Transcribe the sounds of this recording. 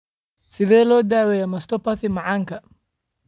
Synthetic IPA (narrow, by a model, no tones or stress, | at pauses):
sɪðɛːlɔːd̪aːwɛjɛmɐst̪ʰɔpɐθɪmɑʕɑːŋkʰɐ